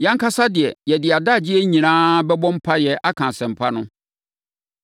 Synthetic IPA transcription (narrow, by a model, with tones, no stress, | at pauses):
jɛ̃˦ŋ̩˦kʰa˦sa˦dɪ˨ɛ˨jɛ˨dɪ˨a˨da˦˨d͡ʑɪ˦ɛ˦ɲĩ˨nãː˦bɛ˦bɔ̃˦m̩˦pʰa˦jɛ˨ʔa˦kʰã˨sɛ̃˨m̩˨pʰa˦nʊ̃˦